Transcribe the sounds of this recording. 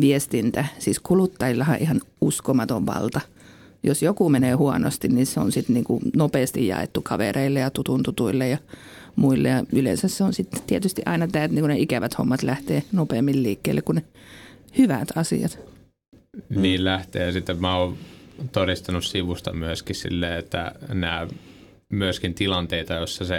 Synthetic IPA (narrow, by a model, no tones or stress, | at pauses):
ʋiest̪int̪æsiːskulut̪ːɑilːɑhɑʔihɑn | uskomɑt̪oʋʋɑ̰lt̪ɑ | josjokumeneːhuɑno̰st̪inniseo̰nsit̪niːŋkunopeːst̪ijjɑ̰ḛt̪ːukʰɑʋḛreilːejɑt̪ut̪unt̪ut̪uilːejɑ | muilːḛjɑylḛnsæsseonsit̪t̪iet̪yst̪iʔɑinɑt̪æːt̪niːŋkuneikæʋæt̪ho̰mːɑt̪læht̪eːnopeːmːilliːkːeilːekkunehyʋæ̰t̪ʰɑsḭɑt̪ | niːllæht̪ḛːɑsit̪ːemæoːt̪orist̪ɑnussiʋust̪ɑmyøskissḭlːeːet̪ːæ̰næː | myøskint̪ilɑnt̪eit̪ɑjosːɑse